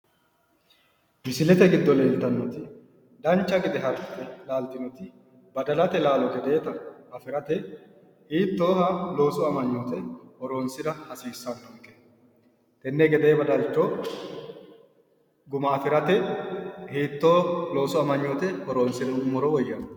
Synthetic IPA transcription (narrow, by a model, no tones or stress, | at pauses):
bɪsɪlɛt̪ɛɡɪd̪ːɔleːlt̪ːɐnːɔt̪ɪ | d̪ɐnt͡ʃːɐɡɪd̪ɛɦɐɾtːɛlaːlt̪ːɪnɔt̪ɪ | bɐd̪ɐlɐt̪ɛlaːlɔɡɛd̪eːt̪ɐɐfɪɾɐt̪ɛ | hiːt̪ːo̞ːhɐlo̞ːsʊɐmɐɲːoːt̪ɛhɔɾo̞ːnsɪd̪ɐhɐsiːsːɐnd̪ɔŋkːɛ̥ | t̪ʼɛnːɛɡɛd̪eːbɐd̪ɐlt͡ʃːɔ | ɡʊmaːfɪɾɐt̪ɛ | hiːt̪ːoːlo̞ːsʊɐmɐɲːoːt̪ɛhɔɾoːnsɪd̪ɛʊmɔɾɔɔjːɐn